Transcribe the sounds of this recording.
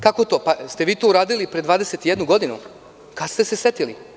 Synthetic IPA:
kako̞t̪opast̪e̞ʋiːt̪ouɾaːd̪ilipɾed̪ʋaːd̪ese̞t̪ijed̪nuɡo̞d̪inṵ | kast̪e̞sesjet̪ilḭ

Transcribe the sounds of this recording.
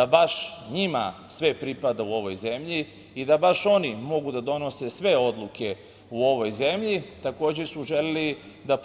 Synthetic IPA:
abaʃɲima̰sʋe̞pɾipad̪auo̞ʋo̞jze̞mʎi | id̪abaʃo̞nimo̞ɡud̪ad̪o̞no̞se̞sʋe̞o̞d̪lˠuke̞ | uo̞ʋo̞jze̞mʎit̪ako̞ːd͡ʑe̞suʒe̞leli | d̪ap

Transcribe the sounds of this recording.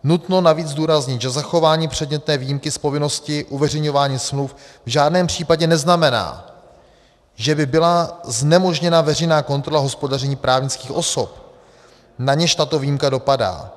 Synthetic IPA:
nut̪no̞naviːd͡zduːɾazɲɪt̪ʒɛzaxo̞vaːɲiːpr̥ɛdɲɛt̪nɛːviːjimkɪspo̞vɪno̞scɪʔuvɛr̝ɛjɲo̞vaːɲiːsmlufvʒaːdnɛːmpr̥iːpaɟɛnɛznamɛna̰ː | ʒɛbɪbɪlaznɛmo̞ʒɲɛnavɛr̝ɛjnaːko̞nt̪ɾo̞laɦo̞spo̞darɛɲiːpɾaːvɲɪt͡skiːxʔo̞sop | naɲɛʃt̪at̪o̞viːjimkado̞pada̰ː

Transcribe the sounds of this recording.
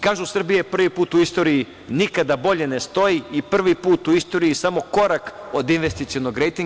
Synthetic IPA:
kaːʒusr̩bijepr̩ʋipuːt̪uist̪o̞ːɾii | nikad̪abo̞ʎe̞ne̞st̪o̞iipr̩ʋipuːt̪uist̪o̞ːɾiisamo̞ko̞ɾakod̪inʋest̪it̪sionoɡɾejt̪iŋ

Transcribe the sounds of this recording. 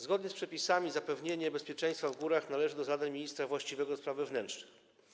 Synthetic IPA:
zɡɔd̪ɲɛspʂɛpʲisamʲizapɛvɲeɲɛbɛspʲjɛt͡ʂɛ̃j̃st̪favɡuɾaxnalɛʐɘd̪ɔzad̪ɛmʲiɲist̪ɾavwaɕt͡ɕivɛɡɔspɾavɛvnɛntʂnɘx

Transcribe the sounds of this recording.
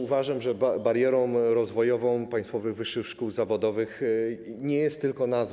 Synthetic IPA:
uvaʐamʐɛbabaɾjɛɾɔ̃w̃ɾɔzvɔjɔvɔ̃w̃paj̃st̪fɔvɘɣvɘʂːɘxʂkuwzavɔd̪ɔvɘxɲɛjɛst̪ːɘlkɔnaz

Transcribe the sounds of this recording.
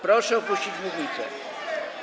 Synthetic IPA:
pɾɔʂɛɔpuɕt͡ɕid͡ʑmuvɲʲit̪sɛ̰

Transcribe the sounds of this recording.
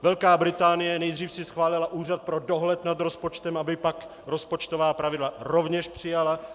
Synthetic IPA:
vɛlkaːbɾɪt̪aːnɪjɛnɛjd̪riːfsɪsxvaːlɪlaʔuːrat̪̚pɾo̞doɦlɛt̪nad̪ɾo̞spot͡ʃt̪ɛmʔabɪpak | ɾospot͡ʃt̪ovaːpɾavɪdlaɾovɲɛʃpr̝̥ɪjala

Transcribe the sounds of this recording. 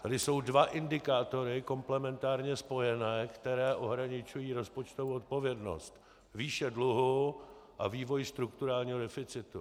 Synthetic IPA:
t̪adɪso̞wdvaʔɪndɪkaːt̪o̞ɾɪko̞mplɛmɛnt̪aːɾɲɛspo̞jɛnɛːkt̪ɛɾɛːʔo̞ɦɾaɲɪt͡ʃujiːɾo̞spo̞t͡ʃt̪ovoːot̪̚po̞vjɛdno̞̰st̪ | viːʃɛdluɦuʔaviːvo̞jst̪ɾukt̪uɾaːlɲiːɦo̞dɛfɪt͡sɪt̪ṵ

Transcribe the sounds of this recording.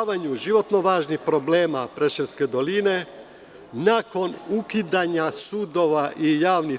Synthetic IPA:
ʋaɲuʒiʋo̞t̪no̞ʋaːʒnixpɾo̞ble̞ːmapɾeʃelske̞d̪o̞line̞ | nako̞nukid̪aɲasuːd̪oʋaʔijaːʋni

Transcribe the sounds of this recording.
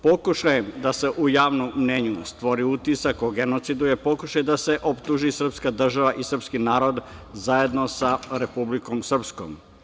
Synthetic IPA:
po̞kuʃajed̪ase̞ʔujaːʋnomːɲeɲust̪ʋo̞ɾiut̪isakoɡe̞not̪sid̪ujepo̞kuʃajed̪ase̞ʔopt̪uʒisr̩pskad̪r̩ʒaʋaʔisr̩pskinaːɾo̞d̪zaje̞d̪no̞saɾe̞publikomsr̩psko̰m

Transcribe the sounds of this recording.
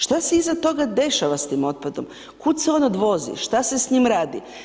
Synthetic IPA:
ʃt̪aseizat̪o̞ɡad̪e̞ʃaʋast̪iːmo̞t̪̚pad̪o̞m | kud̪seo̞nod̪ʋo̞zḭʃt̪asesɲimɾaːd̪ḭ

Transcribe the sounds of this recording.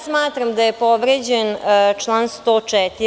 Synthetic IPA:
smaːt̪ɾamd̪ajepoʋɾed͡ʑent͡ʂlˠaːnst̪oːt͡ʂɛt̪i

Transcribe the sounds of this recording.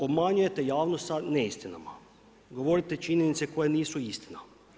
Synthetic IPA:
o̞bmaɲuje̞t̪e̞jaːʋnost̪saneist̪ina̰ma̰ | ɡo̞ʋo̞ɾit̪e̞t͡ʃiɲe̞nit̪se̞ko̞jeniːsuist̪ina

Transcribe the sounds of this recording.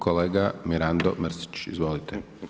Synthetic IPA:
koleːɡamiɾand̪omr̩si̥t͡ɕḭzʋo̞ːlit̪e

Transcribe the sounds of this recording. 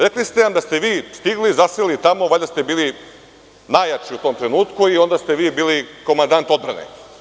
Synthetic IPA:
ɾeklist̪enamd̪ast̪e̞ʋiːst̪iɡlizaselit̪amo̞ʋaʎd̪ast̪e̞biːli | najat͡ʃiut̪o̞ːmt̪ɾe̞nuːt̪kuio̞nd̪ast̪eʋiːbiːliko̞mand̪ant̪o̞d̪bɾa̰nḛ

